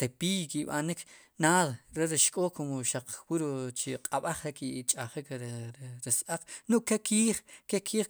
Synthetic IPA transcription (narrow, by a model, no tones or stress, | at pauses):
t̪epijkiɓanik | naːðɾeɾiʃkʼoːkomoʃaq͡χwiɾt͡ʃiqʼaɓaχɾekit͡ʃʼaχik | ɾisʔaq͡χnuʔkekʰiːχkekʰiːχ